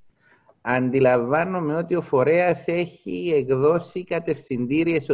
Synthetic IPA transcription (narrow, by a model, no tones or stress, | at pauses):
ɐnd̪ilɐɱvɐno̞me̞o̞t̪io̞fo̞ɾe̞ɐse̞çiekðo̞sikɐt̪e̞fθind̪iɾie̞s